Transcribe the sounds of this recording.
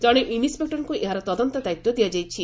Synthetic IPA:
d͡ʒɔɽ̃eʔinispek̚ʈɔɾkuʔeɦaɾɔt̪ɔd̪ɔnt̪ɔd̪ajt̪ːɔd̪iad͡ʒajt͡ʃʰi

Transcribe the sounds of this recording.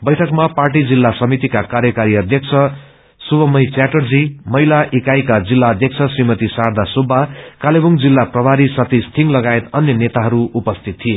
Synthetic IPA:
bʌjʈʰʌkmaparʈ̬id͡zilːasʌmit̪ikakaɾjʌkaɾiʌd̪ʱjʌkt͡sʰʌ | subʱʌmʌjt͡saʈʌrd͡zimʌɦilaʔikajkad͡zilːaʌd̪ʱjʌk̚t͡sʰʌsrimʌt̪isard̪ʱasobʱːakalebuŋd͡zilːaprʌbʱaɾisʌt̪ist̪ʰiŋlʌɡaet̪ʌnjʌnet̪aɦʌɾuːpʌst̪ʰit̪ʰːie

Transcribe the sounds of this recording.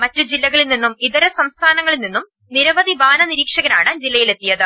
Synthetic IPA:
mɐtːud͡ʑilːɐɣɐɭilninːumiðɐɾɐsɐmst̪ʰaːnɐŋːɐɭilninːum | niɾɐbɐðibaːnɐniɾiːkʂɐɣɐnaːɳɨd͡ʑilːɐjile̞t̪ːijɐðɨ

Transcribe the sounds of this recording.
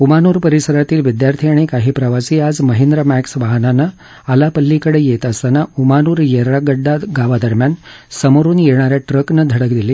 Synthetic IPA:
umanuːɾpəɾisəɾat̪iːlʋid̪jaɾt̪ʰiaɽ̃ikaɦiːpɾəʋasiːad͡zməɦend̪ɾəmæksʋaɦnana | alapəlːikəɽejet̪əst̪anaumanuːɾjeɾaɡəɖːaɡaʋad̪əɾmjansəmoɾuːnjeɳ̃aɾjaʈɾəknəd̪ʱəɽəkd̪ile

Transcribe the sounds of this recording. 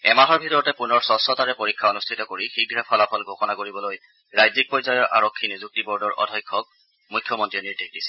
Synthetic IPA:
ɛmaɦɔɹbʱitɔɹɔtɛpunɔɹsɔsɔtaɹɛpoɹikʰːaonustʰitɔkoɹixiɡɹɛpʰɔlapʰɔlɡʱokɔnakoɹibɔloj | ɹajzik̚pɔjzajɔɹʔa̰ɹokʰːinizuk̚tibɔɹdɔɹʔɔ̰dʱɔjkʰːɔk̚ | mujkʰjɔmɔntɹiniɹdexdisɛ̥

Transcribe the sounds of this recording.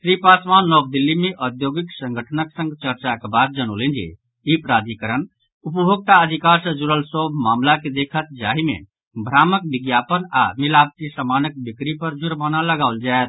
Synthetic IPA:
sɾipaːsmaːnːɔːk̚d̪ilːimẽʔəd̪joːɡɪksə̃ŋɡʱəʈʰənəksə̃ŋɡt͡ʃəɾt͡ʃakebaːd̪̚d͡ʒəño̰ːlend͡ʒḭ | ipɾaːd̪ʱikəɾən | upəbʱoɡ̚t̪aəd̪ʱikaːɾsəd͡ʒuɾəlsoːbʱmaːmlaked̪eːkʰət̪̚d͡ʒaːɦimḛ̃ | bʱɾaːmək̚bɪɡjaːpəna̰milaːp̚t̪isəmaːnək̚bɪkɾipəɾd͡ʒʊɾmanaləɡaːʊld͡ʒaet̪

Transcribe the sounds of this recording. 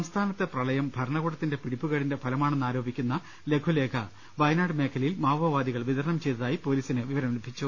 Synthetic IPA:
sɐmst̪ʰaːnɐt̪ːe̞prɐɭɐjɐmbʱɐɾɐɳɐɣoɽɐt̪ːinde̞piɽipːuɣɐɽinde̞pʰɐlɐmaːɳenːaːɾo̞ːbʱikʲːunːɐ | le̞ɡʰʱule̞ːkʰɐ | bɐjnaːɖɨme̞ːkʰːɐlilmaːʋɐʋaːd̪iɣɐɭʋid̪ɐɾɐnɐmt͡ɕe̞jt̪ɐðaːjipo̞ːliːsinɨʋiʋɐɾɐmlubʱit͡ɕːu

